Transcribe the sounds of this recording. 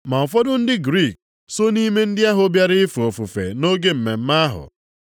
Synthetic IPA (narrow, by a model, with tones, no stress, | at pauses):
ma˨ɔ˨fɔ˦dʊ˦n̩˦dɪ˦ɡɾi˦˨k̚ | so˦ni˦me˦n̩˦dɪ˦a˦ɦʊ˨˦bja˦ɾɪ˦ɪ˦fu˨o˨fu˨fḛ˨no˦ɡe˦m̩˨me˨m̩˦ma˦ɦʊ̰˨